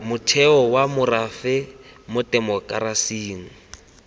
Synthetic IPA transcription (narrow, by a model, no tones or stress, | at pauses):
mʊtʰɛɔwamʊrafɛmʊtʼɛmɔkʼaɾasiːŋ̩